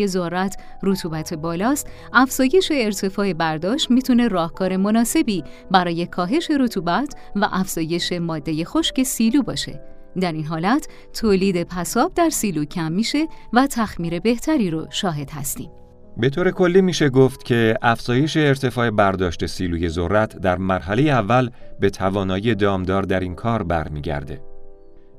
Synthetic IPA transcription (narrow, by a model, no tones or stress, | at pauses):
ezoɾæt̪ʰ | rot̪ʰuːbæt̪ʰe̞bɒːlɒːst̪ | æfz̥ɒːje̞ʃe̞ːɾt̪ʰe̞fɒːe̞bæɾd̪ɒːʃt̪miːt̪ʰune̞rɒːhkʰɒːɾe̞mo̞nɒːse̞biː | bæɾɒːje̞kʰɒːɦe̞ʃe̞ɾot̪ʰuːbæt̪ʰvæ̰ʔæfz̥ɒːje̞ʃe̞mɒːd̪ːe̞je̞xo̞ʃce̞siːluːbɒ̰ːʃe̞̰ | d̪æɾiːnɦɒːlæt̪ʰ | t̪ʰːoːliːd̪e̞pʰæsɒːb̚d̪æɾsiːluːcʰæmːiːʃe̞væt̪ʰæxmiːɾe̞be̞ht̪ʰæɾiːɾoʃɒːɦe̞d̪̥hæst̪ḭːm | be̞t̪ʰoːɾe̞kʰo̞lːiːmiːʃe̞ɡoft̪cʰe̞ʔæfz̥ɒːje̞ʃe̞ːɾt̪ʰe̞fɒːe̞bæɾd̪ɒːʃt̪e̞siːluːje̞zorːæt̪ʰd̪æɾmæɾɦæle̞jeævːælbe̞t̪ʰævɒːnɒːije̞d̪ɒːmd̪ɒːɾd̪æɾiːnkʰɒːɾbæ̰ɾmiːɟæ̰ɾd̪e̞̰